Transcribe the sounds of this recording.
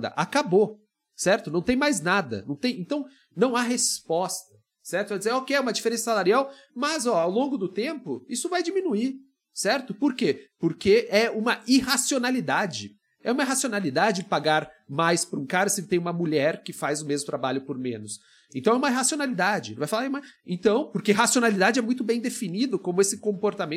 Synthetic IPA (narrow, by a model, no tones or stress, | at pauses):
d̪ɐ̰ʔakabo | sɛɾt̪ʊnɐ̃w̃t̪ẽj̃majznad̪ɐ̰nɐ̃w̃t̪ẽj̃ẽnt̪ɐ̃w̃ | nɐ̃w̃aɦespɔst̪ɐ̥ | sɛɾt̪ʊvajd͡ʒɪzeɾokeɛũmɐd͡ʒifeɾẽsɐsalaɾiawmɐzɔawlõŋɡʊd̪ʊt̪ẽmpʊisʊvajd͡ʒimĩnui | sɛɾt̪ʊpoɾkepoɾkeɛũmɐiɦasionalid̪ad͡ʒɪ | ɛũmɐiɦasionalid̪ad͡ʒɪpaɡaɾmajspɾũkaɾɐsɪt̪ẽj̃ũmɐmuʎɛɾkɪfajzʊmezmʊt̪ɾabaʎʊpʊɾmḛ̃nʊs | ẽnt̪ɐ̃w̃ɛũmɐiɦasionalid̪ad͡ʒɪ̃vajfalaɾmaḛ̃nt̪ɐ̃w̃poɾkeɦasionalid̪ad͡ʒɪɛmũj̃t̪ʊbẽj̃d̪efinid̪ʊkõmʊesɪkõmpoɾt̪amẽ